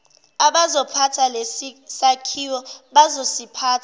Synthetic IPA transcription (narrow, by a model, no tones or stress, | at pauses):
aɓazɔpʰatʰalesakʰiwɔɓazosipʰaːtʰa